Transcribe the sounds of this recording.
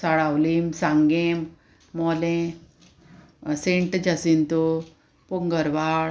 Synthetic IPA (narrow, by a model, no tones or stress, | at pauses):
saɭawlimsãŋɡẽm | mɔlẽ | sẽɳʈd͡ʑasint̪o | puŋɡəɾʋaɭ